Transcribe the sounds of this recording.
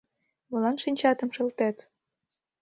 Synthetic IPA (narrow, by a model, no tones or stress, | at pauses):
mɤ̆lɑnʃinʲt͡ɕɑt̪ɤ̆mʃɤ̆lt̪æt̪